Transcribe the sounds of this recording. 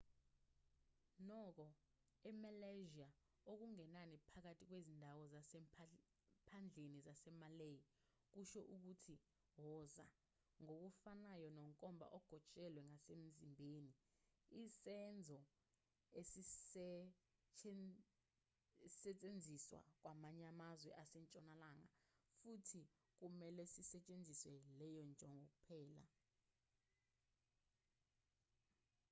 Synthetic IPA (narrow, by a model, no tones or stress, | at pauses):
nɔk̬ɔ | ɛmalaʒia | ok̬uŋɛnanipʰak̬atʰʼik̬wezindʱawɔzasɛ | pʰand͡ɮʱenizasɛmaleji | k̬uʃɔʔuk̬utʰi | ɦɔza̰ | ŋok̬ufanajɔnɔŋkʼɔmbʱa̰ʔɔɡ̥ʱɔt͡ʃʼɛlwɛŋasem̩zimbʱeni | isɛnd͡zʱɔ | esi | sɛt͡ʃʼend͡zʱiswa̰k̬wamaɲamazwɛ̰ʔasɛnt͡ʃʼɔnalaŋa̰futʰi | k̬umɛlɛsisɛt͡ʃʼend͡zʱiswɛlɛjɔnd͡ʒʱɔŋʱok̬ʼupʰɛːla̰